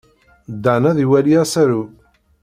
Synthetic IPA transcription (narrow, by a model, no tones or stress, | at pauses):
d̪ːanæðiwæliæsæɾu